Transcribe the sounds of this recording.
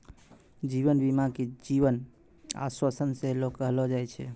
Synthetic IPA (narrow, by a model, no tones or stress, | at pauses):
d͡ʒiʋənbimãked͡ʒiʋən | a̰swəsənselokːəɦlɔd͡ʒajt͡ʃʰɛ